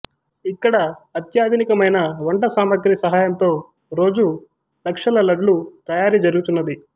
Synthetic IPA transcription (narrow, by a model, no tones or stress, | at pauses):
ikːɐɽɐːt̪jaːd̪ʱinikɐmɐjnɐʋɐɳʈɐsaːmɐɡɾisɐɦaːjɐmt̪o̞ː | ɾo̞ːd͡ʒu | lɐkʂɐlɐlɐɖlut̪ɐjaːɾid͡ʒɐɾuɡut̪unːɐd̪i